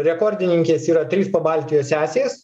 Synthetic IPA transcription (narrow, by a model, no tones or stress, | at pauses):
ɾʲɛkoːɾʲd̪ʲɪnʲɪŋʲkʲeːsiːɾɐt̪ʲɾʲiːspɐbɑlʲt̪ʲɪjoːsʲæːsʲes